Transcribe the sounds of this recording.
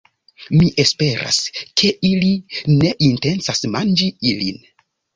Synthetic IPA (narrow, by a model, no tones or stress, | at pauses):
miʔe̞spe̞ɾa̰skʰe̞ʔiline̞ʔinte̞nsasmand͡ʒiilḭn